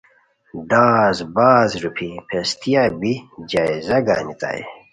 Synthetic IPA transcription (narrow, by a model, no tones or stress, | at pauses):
ɖaːzbaːzɾupʰipʰest̪ijabid͡ʑaːizɐɡa̰ːnit̪a̰ḛ